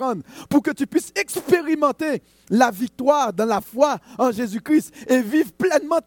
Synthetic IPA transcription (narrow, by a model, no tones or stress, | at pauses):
ɑ̃d̪puʁkət̪ypɥisɛkspeʁimɑ̃t̪e | lavik̚t̪waʁd̪ɑ̃lafwaɑ̃ʒezykʁist̪evivʁplɛnmɑ̃